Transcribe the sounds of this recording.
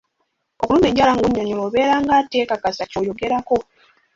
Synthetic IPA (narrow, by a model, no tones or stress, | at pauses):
o̞kuluːme̞ːɲɟaːlaŋɡuɲːoɲoloːβe̞ːɾaːŋɡateːkakasacojo̞ɡe̞ɾako̞